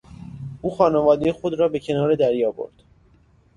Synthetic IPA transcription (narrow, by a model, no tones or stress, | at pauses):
uːxɒːnevɒːd̪ejexod̪ɾɒːbe̞cʰe̞nɒːɾe̞d̪æɾjɒːbo̰ɾd̪̥